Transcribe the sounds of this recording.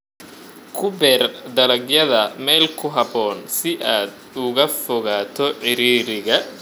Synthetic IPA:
kʰʊbɛːrd̪ɐlɐɡjɐðɐmɛːlkʰʊɦɐbɔːnsɪʔaːd̪ | ʊɣɐfɔɣaːt̪ʰɔħɪɾiːɾɪɣɐ

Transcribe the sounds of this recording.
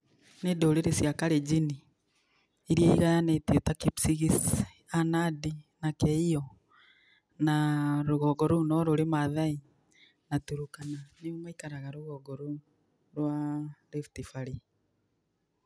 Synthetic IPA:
nedoɾeɾesjakaɾed͡ʒiniː | ɾjaiɣajanetetakipsiɣis | anadinakɛiɔ | naɾoɣɔɡɔɾonɔɾoɾemaðai | natuɾukananeomaikaɾaɣaɾoɣɔɡɔɾo | ɾwaɾeftifaɾi

